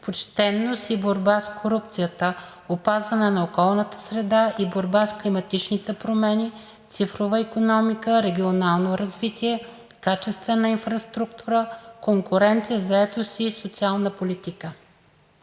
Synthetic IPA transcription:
pot͡ʃt̪ɛnːosiboɾbaskʰoɾup̚t̪sijət̪ə | opazvɐnɛnɐokɔlˠnət̪ə̥sɾɛd̪aʔiboɾbasklimɐt̪it͡ʃnit̪ɛpɾomɛni | t̪sifɾovəikonɔmikəɾɛɡʲionalˠnoɾɐzvit̪iɛ | kat͡ʃɛst̪vɛnoinfɾɐst̪ɾuk̚t̪uɾəkoŋkʊɾɛnt̪sijəzɐɛt̪osiːsot̪sialˠnəpolit̪ikə

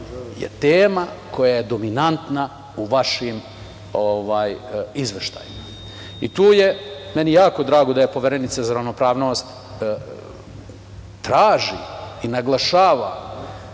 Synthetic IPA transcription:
jḛt̪eːmakʰo̞jajed̪o̞minant̪na | uʋaʃim | oʋaːjizʋeʃt̪a̰jima | it̪uːjemenijaːko̞d̪ɾaːɡo̞d̪aje̞po̞ʋeɾenit̪sazaɾaʋno̞pɾaːʋno̞st̪ | t̪ɾaːʒḭinaɡlˠaʃaːʋa̰

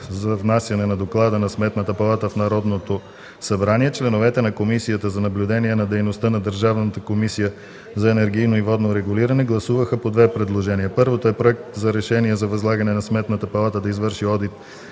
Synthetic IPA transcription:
zɐvnasjɐnɛnɐd̪oklˠad̪ənɐsmɛt̪nət̪əpɐlˠat̪əfnɐɾɔd̪not̪o | sɐbɾaniɛt͡ʃlɛnovɛt̪ɛnɐkomisijət̪əzɐnɐblʲʊd̪ɛniɛnɐd̪ɛjnost̪ənɐd̪əɾʒavnət̪əkomisijə | zɐɛnɛɾɡijnoivɔd̪noɾɛɡuliɾɐnɛɡlˠɐsuvəxəpod̪vɛpɾɛd̪lˠoʒɛniəpɤɾvot̪oɛpɾoɛk̚t̪zɐɾɛʃɛniɛzɐvɐzlˠaɡɐnɛnɐsmɛt̪nət̪əpɐlˠat̪əd̪ɐizvɤɾʃiɔd̪it̪

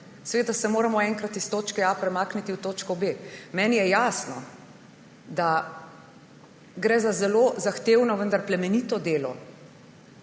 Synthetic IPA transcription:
sɛʋeːd̪asɛmoːɾamɔɛŋkɾat̪ist̪oːt͡ʃkɛapɾɛmaːknit̪iwt̪oːt͡ʃkɔbemɛːnijɛjaːsnɔ | d̪a | ɡɾɛːzazɛlozaxt̪eːwnɔʋənd̪aɾplɛmɛnit̪ɔd̪eːlɔ̰

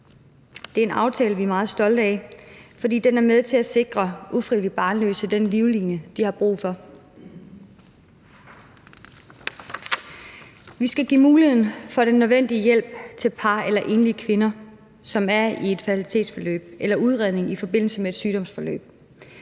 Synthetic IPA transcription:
d̥e̝ɐe̝nɑ̈ʊt͡sʰɛːləʋiæmɑ̈ːð̞̩ˠsd̥ɒ̽ld̥ɛɪfɒ̽dḭːd̥enæɐmeð̞ˠt͡sʰe̝læse̝ɡ̥ʁɐʔufʁiðlib̥ɑ̈ːnlø̰ːsəd̥enliʊliːnjəd̥ihɑ̈b̥ʁṵːfɒ̽ | ʋisɡ̥æɡ̥ḭmuːlihe̝ð̰ˠn̩fɒ̽ɾ̥enːøðˠʋen̰d̥iəjel̰b̥̚t͡sʰe̝lpʰɑ̈ːelɐʔe̝nliəkʰʋe̝nɐ | sɒ̽mæɐie̝d̥fæt͡sʰilit͡sʰe̝̰ːd̥sfɒlø̰ːb̥elɐʔuð̞ˠʁɛð̞ˠne̝ŋifɒ̽b̥e̝n̰l̩səmee̝d̥syːɾ̥ɒ̽m̰sfɒ̽lø̰ːb̥̚

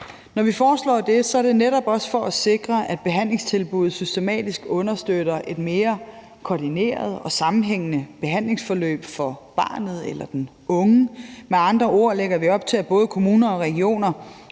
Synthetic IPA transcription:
nɒʋifɒːslɒ̰ːd̥e̝sɒ̽æɐd̥e̝neɾɒ̽b̥ɒ̽sfɒ̽æse̝ɡ̥ʁɐæd̥̚b̥e̝ɦæn̰le̝ŋst͡sʰe̝lb̥uð̩ˠsysd̥e̝mɛ̰ːd̥isɡ̥ɔ̽nɐsd̥øɾ̥ɐʔe̝d̥me̝ːɐ | kʰɒd̥ine̝̰ːɐð̞ˠɒ̽sɑ̈mm̩ɦeŋ̰ənəb̥e̝ɦæn̰le̝ŋsfɒ̽lø̰ːb̥fɒ̽b̥ɑ̈ːnð̞̩ˠelɐd̥en | ɔ̽ŋəmeɑ̈nd̥ʁɐʔo̝ɐ̰leɡ̥ɐʋiɒ̽b̥̚t͡sʰeb̥ɔ̽ːð̩ˠəkʰo̝muːnɐɒ̽ʁɛɡio̝̰ːnɐ

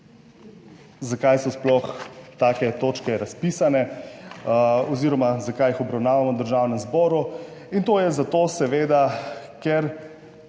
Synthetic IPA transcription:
zakajsɔsplɔxt̪aːkɛt̪oːt͡ʃkɛɾaspisanɛ | ɔziːɾɔmazakajixɔbɾawnaːʋamɔd̪əɾʒaːwnɛmzbɔɾuint̪oːjɛzat̪osɛʋeːd̪a | kɛɾ

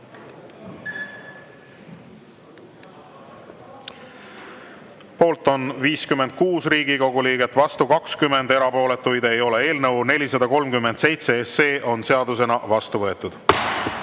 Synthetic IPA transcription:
po̞ːlt̪ːˑo̞nviːskymːend̪̥̚kuːsriːɡiko̞ɡuliːɡe̞t̪ːˑvɑst̪ukɑkskymːe̞nd̪eɾɑpo̞ːle̞t̪ːˑujd̪̥e̞jo̞le̞e̞ːlnɤwne̞lʲisɑd̪̥ɑko̞lmkymːe̞nd̪̥se̞jt̪se̞esːe̞ːʔo̞nse̞ɑd̪us̬e̞nɑvɑst̪uvɤ̞et̪ːˑud̪̥

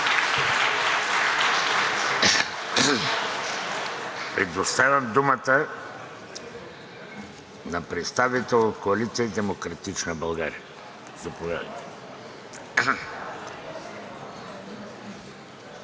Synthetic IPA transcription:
pɾɛd̪ost̪avʲjɐmd̪umət̪ə | napɾɛt̪st̪avit̪ɛlˠot̪koalit̪siad̪ɛmokɾat̪it͡ʃnabɐlˠɡaɾiɐ | zɐpovʲad̪ɐ̰jt̪ɛ

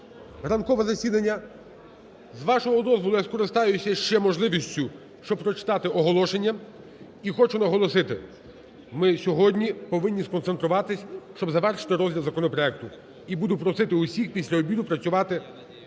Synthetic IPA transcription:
rɐnkɔʋɛzɐsʲid̪ɐnʲːɐ | zʋɑʃɔɦɔd̪ɔzʋɔlˠʊjɐskɔɾɪst̪ɑjʊsʲɐʃt͡ʃɛmɔʒlˠɪʋʲisʲtʲʊ | ʃt͡ʃɔb̚pɾɔt͡ʃɪ̥t̪ɑt̪ɪʔɔɦɔlˠɔʃenʲːɐ | ixɔt͡ʃʊnɐɦɔlˠɔsɪt̪ɪ | mɪsʲɔɦɔdʲnʲipɔʋɪnʲːiskɔnt̪se̞nt̪ɾʊʋɑt̪ɪsʲʃt͡ʃɔbzɐʋɛrʃɪ̥t̪ɪɾɔzʲdʲilˠzɐkɔnɔpɾɔɛk̚t̪ʊ | ibud̪ʊpɾɔsɪt̪ɪʊsʲixpʲisʲlʲɐɔbʲid̪ʊpɾɐt͡sʲsʲʊʋɑt̪ɪ

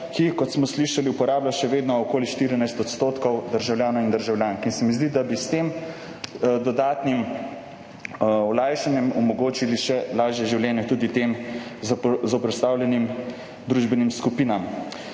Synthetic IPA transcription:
kikɔt̪smɔsliʃaliupɔɾaːblaʃɛʋeːd̪nɔɔkoːliʃt̪iːɾinajst̪ɔt̪st̪oːt̪kɔwd̪əɾʒawljaːnaind̪əɾʒawljaːŋkinsɛmizd̪id̪abist̪eːm | d̪ɔd̪aːt̪nim | ɔlaːjʃanjɛmɔmɔɡoːt͡ʃiliʃɛlaːʒjɛʒiwljɛːnɛt̪uːd̪it̪em | zɔwpɾɛst̪aːwljɛnim | d̪ɾuʒbɛnimskupiːnam

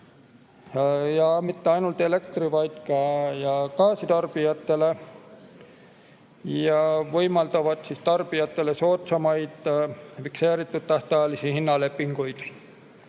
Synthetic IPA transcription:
jɑmit̪ːeɑjnult̪elekt̪rivɑjt̪kɑjɑkɑːsit̪ɑrb̥ijɑt̪ːele | jɑvojmɑlt̪ɑvɑt̪sist̪ɑrb̥ijɑt̪ːeleso̞ːt̪sɑmɑjd̪fikseːɾit̪ːut̪t̪ːɑht̪ɑːlisihinːɑle̞pːiŋɡojd̪̥

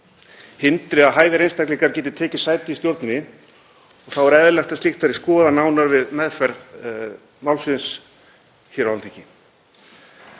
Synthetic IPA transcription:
hɪnt̪ɾɪaðɦaːjðɪɾejnst̪ajkliŋkaɾ̥cɛːt̪ɪt̪ʰɛːcɪ̥saːjt̪ɪist̪jowɾt̪nʏnɪ | ɔɣθawɛɾɛðlɛxt̪ast̪ixt̪θaɾɪskɔːðanaːwnaɾvɪðmɛðfɛɾð | mawlsɪns | çɛɾaalt̪ʰicɪ

